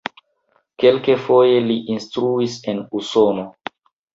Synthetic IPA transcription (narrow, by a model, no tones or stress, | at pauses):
ke̞lkefo̞je̞liʔinstɾuise̞nuso̞no